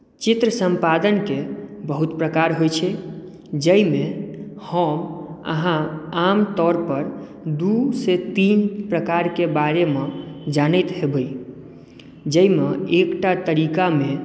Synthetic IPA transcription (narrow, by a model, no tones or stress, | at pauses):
t͡ʃit̪ɾəsəmpad̪ənkebəɦut̪pɾəkaɾɦojt͡ʃʰɛ | d͡ʒəjmehəmə̰ɦãamt̪ɔɾpəɾ | d̪uset̪inpɾəkaɾkebaɾemed͡ʒanəjt̪ɦebəj | d͡ʒəjmeekʈat̪əɾikame